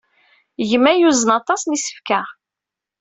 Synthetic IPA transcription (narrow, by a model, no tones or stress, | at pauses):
ʝəmːæjuzənɑt̪ˤɑsnisə̥fkæ